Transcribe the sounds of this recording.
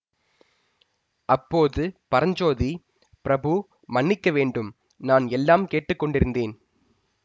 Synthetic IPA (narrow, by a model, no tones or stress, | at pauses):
ʔɐpːoːðɯpɐɾɐɲd͡ʒoːði | pɪɾɐbɯ | mɐɳːɪkːɐʋeːɳɖɯm | naːnɛlːaːmkeːʈːɯkːɔɳɖɪɾɯnd̪eːn